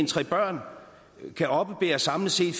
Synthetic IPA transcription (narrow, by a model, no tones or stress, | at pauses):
nt͡sʰʁɛ̰ːb̥ɶɐ̰n | kʰæʔɒ̽b̥əb̥e̝̰ːɐsɑ̈mləse̝̰ːd̥f